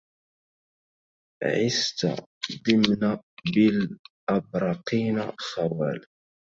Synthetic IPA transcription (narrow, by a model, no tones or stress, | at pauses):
ʕist̪a̰d̪imnabilʔɑbɾˤɑqinasɑwæl